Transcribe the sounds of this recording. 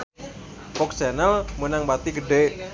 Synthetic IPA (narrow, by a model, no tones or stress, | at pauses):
pɔksɛnalmunaŋbat̪iɡəɖe